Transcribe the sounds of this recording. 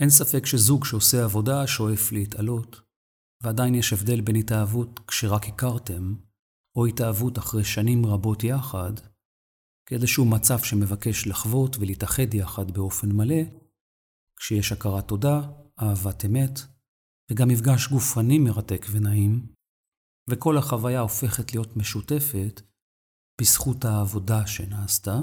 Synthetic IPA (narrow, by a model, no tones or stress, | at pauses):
ʔe̞nsafe̞kʃe̞zuɡʃeoseavo̞daʃo̞e̞flehitalo̞t | veadainjeʃevde̞lbe̞nitaːvutkʃe̞ʁakikaʁte̞m | o̞itaːvutaχʁe̞jʃanimʁabo̞tjaχad | kedeʃehumat͡safʃe̞me̞vake̞ʃlaχvo̞tveliitaχe̞djaχadbeo̞fe̞nmale̞ | kʃejeʃakaʁato̞daʔaːvate̞me̞t | veɡamːifɡaʃɡufanimeʁate̞kvenaim | veko̞laχavajao̞fe̞χetlijo̞tme̞ʃute̞fe̞t | b̥isχuthaːvo̞daʃe̞naːsta